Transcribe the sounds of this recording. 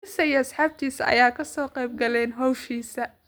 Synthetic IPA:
ɪsɐjɐsħaːb̚t̪ʰiːsɐʔɐ̰jaːkʰɐsɔːqɛjb̚ɡɐlɛːnɦɔwʃiːsɐ

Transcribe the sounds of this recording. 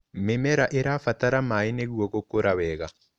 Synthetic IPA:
memɛɾaʔeɾafataɾamaeneɣwokokoɾawɛɣa

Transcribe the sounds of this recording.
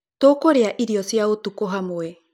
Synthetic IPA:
t̪oːkoɾeaʔiɾiosiaot̪ukoɦamoe

